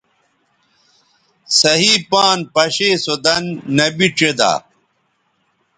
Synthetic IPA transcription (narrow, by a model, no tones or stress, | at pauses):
sɐɦiːpaːnpɐɕeːsod̪ɐnːɐbiʈ͡ʂed̪a̰ː